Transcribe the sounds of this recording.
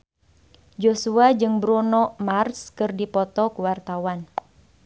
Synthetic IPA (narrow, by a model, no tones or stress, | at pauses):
d͡ʒosuad͡ʒɨŋbɾɔnɔmarskɨrdipɔt̪ɔkuwart̪awan